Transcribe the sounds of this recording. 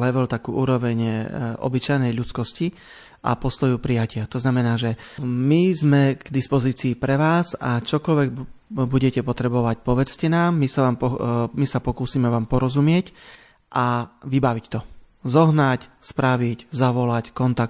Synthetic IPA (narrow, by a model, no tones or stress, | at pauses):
lɛʋɛlt̪akuːʔuːɾɔʋɛɲʔɔ̰bit͡ʃajnɛjʎut͡skɔsci | ʔa̰pɔst̪ɔjupɾijacɪat̪ɔznamɛnaːʒɛmizmɛɡd̪ispɔziːt͡siːpɾɛʋaːzat͡ʃɔkɔlʋɛɡ̚buɟɛcɛpɔt̪ɾɛbɔʋac̚pɔʋɛt͡scɛnaːmːisaʋaːmpɔmisapɔkuːsimɛʋaːmpɔɾɔzumɪɛc | ʔaʋibaʋict̪ɔ | zɔɦnacspɾaʋiczaʋɔlackɔnt̪ak